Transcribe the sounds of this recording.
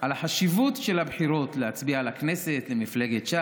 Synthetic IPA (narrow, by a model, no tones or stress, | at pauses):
alaħaʃivutʃelabħiɾo̞t̪lehat͡sbialaknesetlemifle̞ɡetʃa